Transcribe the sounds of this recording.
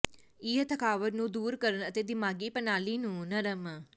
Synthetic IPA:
iːət̪ʰəkʰaːʋəɾnũːd̪uːɾkəɾənət̪eːd̪ɪmaːɡiːpənaːliːnũːnəɾəm

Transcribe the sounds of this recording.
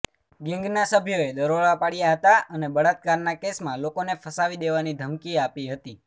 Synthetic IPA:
ɡɛ̃ŋɡnasəbʱjoed̪əɾoɭapaɽjaɦət̪aʔənebəɭat̪̚kaɾnakesmãlokonefʰəsaʋid̪eʋanid̪ʱəmkiapiɦət̪i

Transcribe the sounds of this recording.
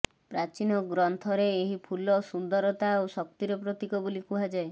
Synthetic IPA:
pɾat͡ʃinɔɡɾɔnt̪ʰɔɾeːɦipʰulɔsund̪ɔɾɔt̪aosɔkt̪iɾɔpɾɔt̪ikɔbolikuɦad͡ʒae

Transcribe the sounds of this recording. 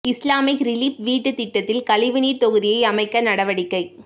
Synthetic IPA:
ɪslaːmɪkɾɪliːpʋiːʈːɯt̪ɪʈːɐt̪ːɪlkɐlɪʋɪnit̪ɔɣɯðɪjɐɪɐmɐɪkːɐnɐɽɐʋɐɽɪkːɐɪ

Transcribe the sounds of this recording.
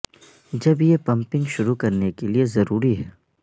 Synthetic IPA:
d͡ʒɐbjepɐ̃mpɪ̃ŋɡʃʊɾukɐɾnekeliezɐɾuːɾiɦɛː

